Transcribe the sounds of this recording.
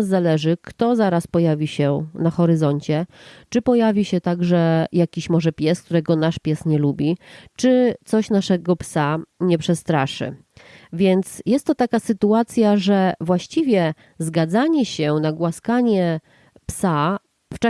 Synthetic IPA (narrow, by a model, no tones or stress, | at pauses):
zːalɛʐɘkt̪ɔzaɾaspɔjavʲiɕɛnaxɔɾɘzɔɲt͡ɕɛt͡ʂɘpɔjavʲiɕɛt̪aɡʐɛjakʲiɕmɔʐɛpʲjɛsk̚t̪uɾɛɡɔnaʂpʲjɛsɲɛlubʲit͡ʂɘt̪sɔɕnaʂɛɡɔpsaɲɛpʂɛst̪ɾaʂɘ̰ | vʲjɛnt̪sjɛst̪ːɔt̪akasɘt̪uat̪sʲjaʐɛvwaɕt͡ɕivʲjɛ | zɡad̪zaɲɛɕɛnaɡwaskaɲɛ | psa | ft͡ʂa